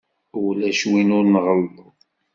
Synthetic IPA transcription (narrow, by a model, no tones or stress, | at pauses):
ulæʃwinʊɾnʁəlː